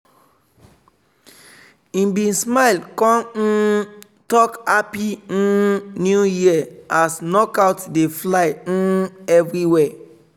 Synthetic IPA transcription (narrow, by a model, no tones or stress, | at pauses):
ĩbĩnsmaɪlkɔ̃n̩ | tɔkapĩ | njujiaasnɔkaʊtdeflaɪ̃ɛvɾiwɛ